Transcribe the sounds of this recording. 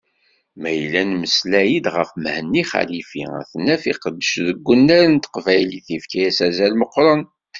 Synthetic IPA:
mæjlːænməslæjid̪ʁəfmhənːiχæ̰lifḭæ̰θənːæfiqəd̪ːəʃðəɡʷːənːæɾnt̪ə̥qvæjliθifkæjæsæzælməqːɾˤən

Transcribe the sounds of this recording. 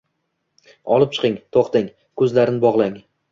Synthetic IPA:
ɒlˠɪp̚t͡ʃʰɨ̥qɪŋt̪ʰoχt̪ɪŋ | kʰɵzlaɾɪnɪbɒʁlˠaŋ

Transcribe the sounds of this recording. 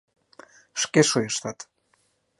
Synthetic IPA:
ʃkeʃojəʃt̪ɑt̪

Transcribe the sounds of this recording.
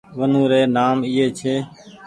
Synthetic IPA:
ʋənũːɾeːnaːmɪːɦeːt͡ʃʰeː

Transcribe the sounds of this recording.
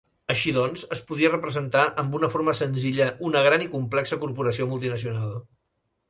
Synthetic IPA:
əʃiðɔnzəspuð̞iərəpɾəzənt̪aʔəmbunəfoɾməsənziʎəʔunəɣ̞ɾanikumplɛksəkuɾpuɾəsiomulˠt̪̬inəsiunalˠ

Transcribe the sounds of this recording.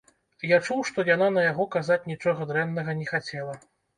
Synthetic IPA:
jat͡ʂuwʂt̪ɔjananɐjaɣɔkazat͡sʲnʲit͡ʂɔɣɐd̪ɾɛnːɐɣɐnʲɛxat͡sʲɛlˠɐ

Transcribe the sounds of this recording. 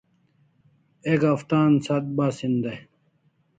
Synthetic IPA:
ekɐft̪aːnsat̪̚baːsind̪ɐj

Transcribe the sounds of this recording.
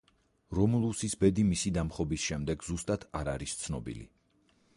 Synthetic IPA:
ɾɔmulˠusisbɛd̪imisid̪amχɔbisʃɛmd̪ɛɡzust̪ʼat̪ʰaɾaɾist̪sʰnɔbḭlḭ

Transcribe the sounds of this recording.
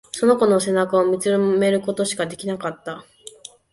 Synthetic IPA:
so̞no̞ko̞no̞se̞nakao̞mʲit͡sɨme̞ɾɯ̟ko̞t̪o̞ɕi̥kad̪e̞kʲinakat̪ːa

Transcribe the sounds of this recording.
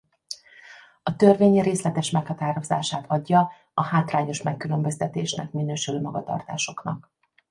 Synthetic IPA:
ɒt̪ørveːɲreːslɛt̪ɛʃmɛkhɒt̪aːɾo̞za̰ːʃaːt̪ʰɒɟːɒ | ɒhaːt̪raːɲo̞ʃmɛkːylømbøzt̪ɛt̪eːʃnɛ̰kminøːʃyløːmɒɡɒt̪ɒ̰rt̪a̰ːʃo̞knɒk

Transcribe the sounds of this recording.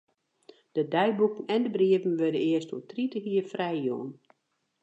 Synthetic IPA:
d̥ədɛjbukənɛndəbriəvən̩ʋødəɪəstutritəɦiːəfrɛjjo̰ən

